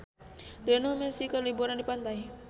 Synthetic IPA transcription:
dɛnomɛsikarlibuɾandipant̪aji

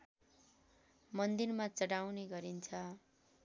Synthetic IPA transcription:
mʌnd̪irmat͡sʌɽawneɡʌɾint͡sʰʌ

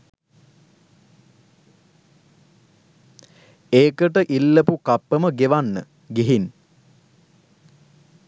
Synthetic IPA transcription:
eːkəʈəʔilːəpukapːəməɡeʋanːə | ɡiɦin

